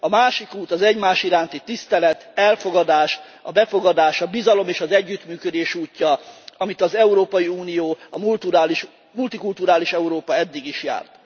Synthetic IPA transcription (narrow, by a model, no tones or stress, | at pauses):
ɒmaːʃikuːt̪ɒzɛɟmaːʃiɾaːnt̪it̪ist̪ɛlɛt̪ɛlfo̞ɡɒd̪aːʃ | ɒbɛfo̞ɡɒd̪aːʃɒbizɒlo̞meːʃɒzɛɟːyt̪myːkød̪eːʃuːcːɒɒmit̪ɒzɛuɾoːpɒjiuːnijoːɒmult̪uɾaːliʃ | mult̪ikult̪uɾaːliʃɛuɾoːpɒɛd̪ːiɡiʃja̰ːrt̪